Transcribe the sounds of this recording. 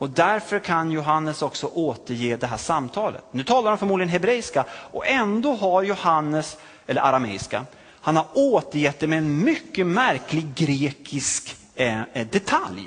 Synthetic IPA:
ɔd̪æɾfœɾkʰanjʊɦanːəsɔksɔʔoːt̪əɾjeːd̪ɛɦæːʂamt̪ʰɑːlə̰t̪nʉ̟ːt̪ʰɑːlaɾɔmfœɾmuːd̪lɪɡənɦɛbɾɛɪskaʔɔɛnd̪oːɦaɾjʊhanːəs | ɛlːəʔa̰ɾamɛ̰ːɪska̰ | hanhaɾoːt̪əɾjɛt̪̚d̪ɛmɛːnmʏkːəmæɾklɪɡɾeːkʰɪsk | d̪ɛt̪ʰa̰lj

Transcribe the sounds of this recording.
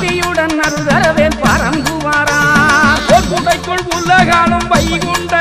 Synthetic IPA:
ðɪjɯɽɐnːɐɾɯðɐɾɐʋeːlpɐɾɐmbɯʋaːɾaːokʊɽɐɪkːɯɭpʊlːɐɣaːlɐmpɐjɪkɔɳɖɐ

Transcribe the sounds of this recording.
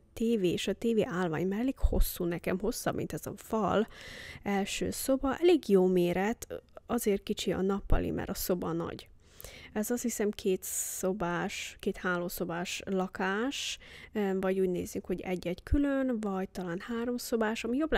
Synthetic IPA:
t̪eːveːeːʃɒt̪eːvḛːʔaːlva̰ːɲmalːeːkho̞̰sːuːnɛkɛmho̞sːɒ̰bmʔḭnt̪ɛzɒ̰fɒlɛlʃø̰ːso̞bɒʔɛleːɡjoːmeːɾɛt̪ɒzeːrkit͡ʃiɒ̰nɒpːɒ̰lḭmʔɛ̰ɾɒso̞bɒnɒ̰ɟ | ɛzɒst̪hisɛmkʰeːt̪sobaːʃkeːt̪haːloːso̞baːʃlɒkaːʃ | vɒɟuːɟneːzykho̞ɟɛ̰ɟːɛɟkʰylønvɒɟt̪ɒlaːnhaːɾo̞mso̞baːʃɒmijobl

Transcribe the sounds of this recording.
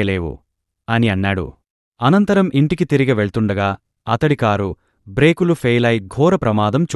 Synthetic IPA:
ɐleːʋṵ | ɐniɐnːaːɽṵ | ɐnɐnt̪ɐɾɐmʔiɳʈikit̪iɾiɡɐʋeɭt̪uɳɖɐɡaː | ɐt̪ɐɽikaːɾu | bɾe̞ːkulupʰejlɐjɡʱɔːɾɐpɾɐmaːd̪ɐmt͡ʃ

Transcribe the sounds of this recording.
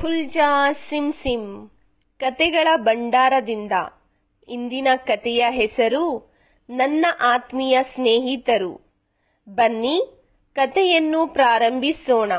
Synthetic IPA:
pʰuld͡ʒaːsimsim | kɐt̪ɛɡɐɭɐbɐɳɖaːɾɐd̪ind̪ɐ̰ | ind̪inɐkɐt̪ɛjɐɦɛsɐɾu | nɐnːɐʔaːt̪mijɐsneːɦit̪ɐɾṵ | bɐnːi | kɐt̪ɛjɐnːupɾaːɾɐmbʱisɔːɳɐ

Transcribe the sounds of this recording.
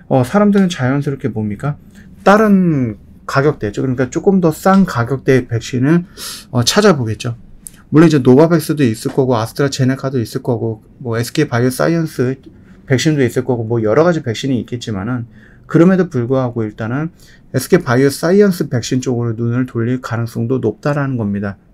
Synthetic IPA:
ʌsʰaɾamdɯɾɯnt͡ɕajʌnsʰʌɾokʰebomɲik͈a | t͈aɾɯn | kaɡjʌk̚t͈we̞t͡ɕ͈okɯɾʌɲik͈at͡ɕ͈ok͈ɯmdʌs͈aŋkaɡjʌk̚t͈we̞pe̞k̚ɕ͈inɯnʌt͡ɕʰad͡ʑaboɡe̞t̚t͡ɕ͈o | muɭːʌnid͡ʑe̞nobabe̞k̚s͈ɯdois͈ɯɭk͈ʌɡoasʰɯ̥tʰɾat͡ɕe̞nekʰadois͈ɯɭk͈ʌɡo | mʌesʰɯ̥kʰepajɯs͈a̰iʌns͈ʰɯ | pe̞k̚ɕ͈indois͈ɯɭk͈ʌɡomwʌjʌɾʌɣad͡ʑipe̞k̚ɕ͈iniːk͈e̞t̚t͡ɕ͈imanɯn | kɯɾʌme̞dopuɭɡoɦaɡoiɭt͈anɯn | esʰɯ̥kʰepajɯs͈aiʌnsʰɯpe̞k̚ɕ͈int͡ɕ͈oɡɯɾonunɯɭtoʎːiɭkanɯŋs͈ʌŋdonop̚t͈aɾanɯnɡʌmɲida

